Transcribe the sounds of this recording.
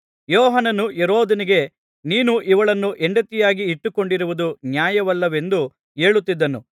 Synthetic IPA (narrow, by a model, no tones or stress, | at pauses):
jɔːɦɐnɐnujeɾoːd̪ɐniɡe̞ | niːnuʔiʋɐɭɐnːuʔeɳɖɐt̪ijaːɡiːʈːuko̞ɳɖiɾuʋud̪unjaːjɐʋɐlːɐʋe̞nd̪u | e̞ːɭut̪ːid̪ːɐnṵ